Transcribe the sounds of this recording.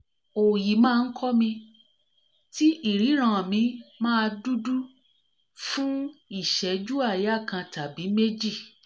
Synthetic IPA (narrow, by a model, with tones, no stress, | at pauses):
o˨ji˨mãː˦˧n̩˦kʰɔ˦mĩ˧ | ti˦ʔi˦˨ɾi˨˦ɾ̃ã˨mĩ˧˦mãː˦˧du˦du˦ | fũ˦i˦˨ʃɛ˨˦d͡ʒu˦a˦˨ja˦˨kã˧ta˨bi˨˦me˦d͡ʒi˦˨